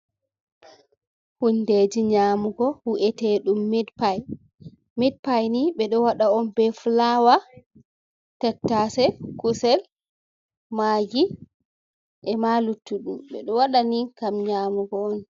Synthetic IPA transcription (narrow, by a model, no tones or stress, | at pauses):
hunded͡ʒiɲaːmuɡɔhuʔɛtɛɗumːɛdpaj | mid̚pajniɓɛɗɔwaɗaɔnbɛflawa | tɛtːasɛkusɛl | maɡi | ʔɛmalutːuɗumɓɛ̰ɗɔwaɗanikamɲaːmuɡɔɔn